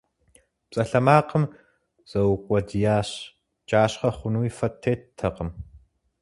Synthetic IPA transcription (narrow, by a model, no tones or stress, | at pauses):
pt͡sʼɐɬɐmaːqəm | z̥ɐwqʷʼɔdijaːɕ | d͡ʒaːɕχɐχʷʊnuːifɐtʰːeːttʰːɐqəm